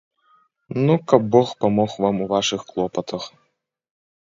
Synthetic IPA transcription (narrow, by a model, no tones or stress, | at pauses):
nukɐb̚ːɔxpamɔxvamuvaʂɨxklˠɔpɐt̪ɐx